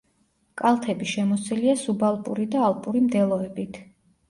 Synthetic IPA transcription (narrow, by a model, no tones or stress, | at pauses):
kʼalˠt̪ʰɛbiʃɛmɔsiliasubalˠpʼṵɾid̪aːlˠpʼuɾimd̪ɛlˠɔɛbit̪ʰ